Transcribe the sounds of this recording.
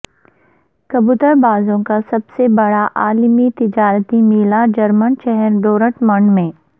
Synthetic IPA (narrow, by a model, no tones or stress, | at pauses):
kɐbut̪əɾbaːzõkasɐbsebɐɽaʔaːlmit̪ɪd͡ʒaːɾət̪imɪːlad͡ʒɐɾmənʃɛɦɛɾɖoːɾəʈmɐ̃ɳɖmẽː